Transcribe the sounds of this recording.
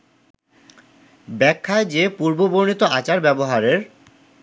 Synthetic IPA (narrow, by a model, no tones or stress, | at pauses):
bɛkʰːaed͡ʑepuɾboboɾnit̪oat͡ɕaɾbɛboɦaɾeɾ